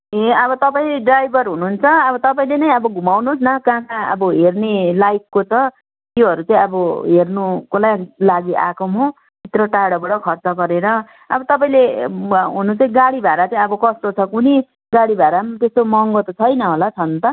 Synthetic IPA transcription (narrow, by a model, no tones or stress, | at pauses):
ɦẽʌbʌt̪ʌpaĩleɖrajbʱʌrɦunuːnt͡sʰʌʌbʌt̪ʌpaĩlenʌjʌbʌɡʱumawnos̬nʌkãkãʌ̰bʌɦernelajkːot͡sʌ | t̪joɦʌɾut͡sãĩʌbʌɦernukolajlaɡiʔakomo | bʱit̪rʌʈaɽʌbʌɽʌkʰʌrt͡sʌɡʌɾeɾʌ | ʌbʌt̪ʌpaĩleɦunut͡sʌĩɡaɽibʱaɾat͡saĩʌbʌkʌst̪ot͡sʰʌkuni | ɡaɽibʱaɾamt̪est̪omʌŋɡot̪ʌt͡sʰʌjnʌɦolat͡sʰʌnt̪ʌ